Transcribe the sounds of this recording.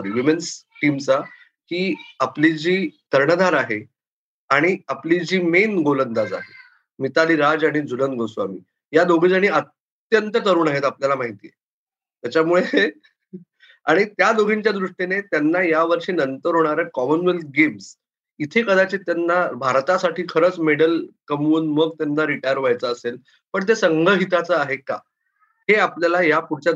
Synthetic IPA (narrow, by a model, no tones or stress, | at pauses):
əɾʋimensʈimt͡sa | kiːaplid͡ʑiːt̪əɾɳəd̪ʱaɾaɦe | aɽ̃iaplid͡ʑiːmenɡolənd̪ad͡za̰ɦe | mit̪aliːɾad͡zaɽ̃id͡zulənɡosʋa̰mḭː | jad̪oɡʱid͡zaɽ̃iət̪ | jənt̪ət̪əɾuːnaɦet̪apljalamaɦit̪ijḛ | t̪jat͡ɕamuɭe | a̰ɽ̃it̪jad̪oɡʱiɲt͡ɕjad̪ɾuʂʈinet̪janːajaʋəɾɕiːnənt̪əɾɦoɽ̃aɾəkɔmənʋel̚ɡems | it̪ʰekəd̪at͡ɕit̪janːabʱaɾt̪asaʈʰiːkʰəɾət͡smeɽəlkəmuːnməɡt̪janːaɾiʈajəɾʋajt͡səːsel | pəɳt̪̬esəŋɡʱəɦit̪at͡səaɦeka̰ | heapljalajapuɽt͡ɕja